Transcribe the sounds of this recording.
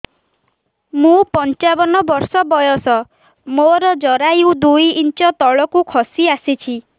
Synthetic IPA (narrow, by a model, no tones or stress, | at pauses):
mũpɔnt͡ʃabɔnɔbɔɾsɔbɔjɔsɔ | moɾɔd͡ʒɔɾajiud̪ujint͡ʃɔt̪ɔɭɔkukʰɔsiasit͡ʃʰi